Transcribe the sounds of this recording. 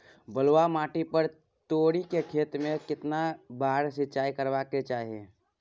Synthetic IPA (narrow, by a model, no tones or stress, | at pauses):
bɐlwamaːʈipəɾ | t̪oːɽikekʰeːt̪mẽkɪt̪nabaːɾsɪt͡ʃaːikəɾʋaːket͡ʃaːɦiḛː